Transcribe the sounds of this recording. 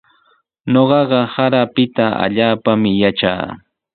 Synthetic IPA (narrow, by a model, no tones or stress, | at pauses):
ɲoɢɑɢɑhaɾapɪt̪aa̰ʎaːpamɪjat͡ʃa̰ː